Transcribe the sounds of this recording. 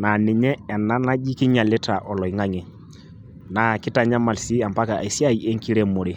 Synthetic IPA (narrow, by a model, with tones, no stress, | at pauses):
na˨nɪ˨ɲɛ˦ɛ˨na˦na˦d͡ʒi˦kɪ˦ɲa˨lɪ˦ta˨ʔɔ˨lɔ˨i˨ŋa˦ŋe˨ | na˨kɪ˦ta˨ɲa˦ma˨lsi˦a˨mpa˦ka˨ʔe˨si˦a˦˨i˨e˦ŋki˦ɾe˦mo˨ɾe˨